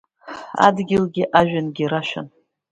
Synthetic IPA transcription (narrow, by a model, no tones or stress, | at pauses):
a̰dɡʲɪlɡʲɪʔaʒᶣanɡʲiɾaʃᶣa̰n